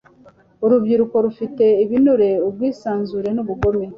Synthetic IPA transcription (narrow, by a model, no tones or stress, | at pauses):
uɾubɟiɾuko̞ɾufite̞iβinuɾe̞ubɡiːsaːnzuɾe̞nuβuɡo̞me